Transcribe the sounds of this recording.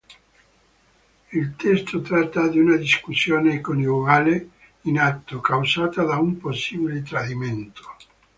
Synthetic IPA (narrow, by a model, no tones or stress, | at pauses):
ilt̪ɛst̪ot̪ɾat̪ːad̪iunad̪iskusːjoːnekonjuɡaːle | inat̪ːokawzaːt̪ad̪aumposːiːbilet̪ɾad̪iment̪ʰo̥